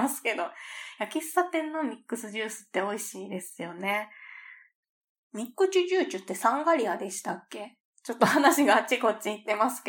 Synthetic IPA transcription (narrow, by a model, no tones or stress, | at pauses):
asɨ̥ke̞d̪o̞jakʲisat̪ẽ̞nːo̞mʲikːɯ̟sɨʑɨːsɨ̥t̪ːe̞o̞iɕiːd̪e̞sɨjo̞ne̞ | mʲikːɯ̟t͡ɕɨʑɨːt͡ɕɨt̪ːe̞sãŋɡaɾʲiad̪e̞ɕi̥t̪akːe̞ | t͡ɕo̞t̪ːo̞hanaɕiɡaːt͡ɕiko̞t͡ɕːiit̪ːe̞masɨ̥k